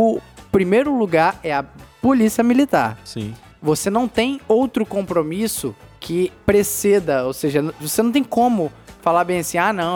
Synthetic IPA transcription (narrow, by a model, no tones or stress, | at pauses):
ʊpɾimejɾʊluɡaɾɛɐpolisiɐmilit̪a̰ɾsḭ̃ | vosenɐ̃w̃t̪ẽj̃owt̪ɾʊkõmpɾomisʊkʰɪpɾesɛd̪ɐowseʒɐnvosenɐ̃w̃t̪ẽj̃kõmʊfalaɾbẽj̃ɐsĩanɐ̃